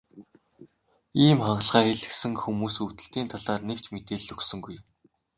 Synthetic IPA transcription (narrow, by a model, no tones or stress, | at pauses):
iːmχaɴɢə̆ɮʁaːxeɮɘ̆ksɘ̆ŋxumuːsuwt̪ɘ̆ɬt̪iːnt̪ʰaɮaːrnekt͡ɕmet̪eːɮɵksɵ̆ŋɡuj